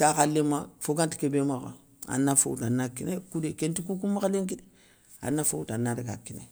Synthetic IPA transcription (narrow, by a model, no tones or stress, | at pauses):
takalːemːafoɡãnti̥kebemakã̰ | a̰nːafo̰wtanːakinekudekẽntikuk̬umːakaleŋkide | a̰nːafoutanːaɾeɡa̰kinḛ